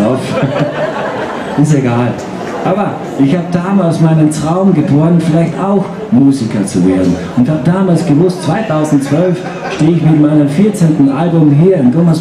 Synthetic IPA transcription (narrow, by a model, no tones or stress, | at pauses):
af | ɪsteɡaːl | ʔaːbɐ | ʔɪçhaːbədaːmaːlsmaɪnəntʁ̥aʊmɡəboːɐnənfɪlaɪçtaʊx | muːzikɐt͡suveːɐdn̩ | ʊntɪ̥çhaːbədaːmaːlsɡ̥əvʊstt͡sv̥aɪtʰaʊzn̩t̚t͡sv̥œlf | ʃteːɪçviːbm̩maɪnəmfiɐt͡seːntn̩ʔalbʊmɦiːɐɪmtomas